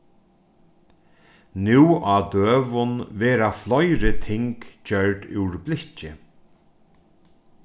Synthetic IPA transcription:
nuwad̪øːvʊnvɛːɾaflɔjɾɪt̪ʰɪŋkt͡ɕœɹɖɪ̰wɾblɪht͡ʃɪ

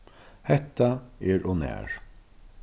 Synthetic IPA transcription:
hɛt̪ːaɛɹɔnæ̰ːɹ

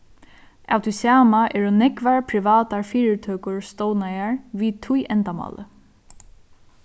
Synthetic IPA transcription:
ʔa̰wt̪ʰusaːmaʔɛːɾunɛkʋaɹpʰɾɪʋaːt̪aɹfiːɾɪt̪ʰøːkʊɹst̪ownajaɹʋiːt̪ʰʊjʔɛnt̪amɑ̰ːlə̰

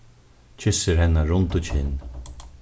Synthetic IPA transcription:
t͡ʃʰɪsəɾhɛnːaɾʊnt̪ut͡ʃʰɪnː

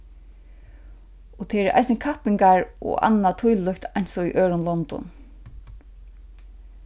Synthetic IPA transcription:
ɔt̪ʰɛːɛɾʔa̰jsnnkʰahpɪŋkaɹɔ̰ʔa̰nːat̪ʰujllʏkt̪ʰajnsɔiʔøːɾʊnlɔnt̪ɔ̰n

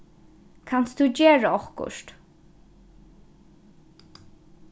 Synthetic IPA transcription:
kʰansd̪ud͡ʑeːɹəɔhkʊ̰ʂt

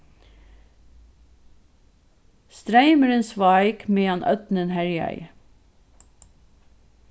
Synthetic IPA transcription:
st̪ɾæɪməɾənsʋɑɪkmeːɑnʔœ̰t̪nənhæɹjœ̰ɪ

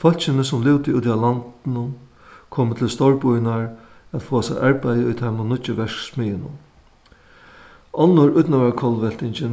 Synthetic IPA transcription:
fœl̥t͡ʃɪnəsʊmlɪwt̪ɪuːt̪ialant̪ɪnʊ | kʰoːmət̪ʰɪlst̪ɔɹpʊjnaɹ | æt̪foːasaɪʔaɹpɛjəʊjt̪ʰaɪmʊnʊt͡ʃɪʋɛʂksmɪjɪnʊ̰ | ɔnːʊɾʊjt̪naʋakʰɔlʋɛl̥t̪ɪɲt͡ʃɪ

